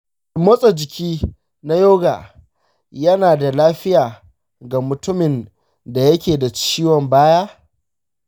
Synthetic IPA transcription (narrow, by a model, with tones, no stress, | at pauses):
mɐ˦sʼo˨d͡ʒɪ˨kʲiː˦ | na˦joː˦ɡa̰ː˨ | jɐ˦naː˨da˨laː˦ɸɪ˦jaː˨ | ɡa˨mʊ˨tʊ˦mɪ˨n | da˨jɐ˦kʲeː˨da˨t͡ʃiː˦wɔ˨mbaː˦jaː˦